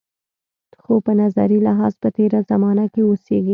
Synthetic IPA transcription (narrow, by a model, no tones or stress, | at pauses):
xopənaza̰ɾilɪɦɑzpət̪eɾazamɑnakewoseɡi